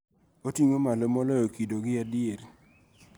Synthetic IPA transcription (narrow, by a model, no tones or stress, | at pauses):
otiŋomalomɔlɔjokidoɡɪadɪeɾ